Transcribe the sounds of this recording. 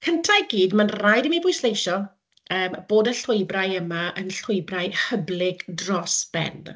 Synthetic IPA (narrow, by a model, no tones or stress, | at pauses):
kʰəntʰajɡiːdmanrajdəmibʊjslejʃɔ | əːmb̥oːdəɬʊɨbrajəmaʔənɬʊjbrajhəblɪɡ̥drɔsb̥ɛ̰nd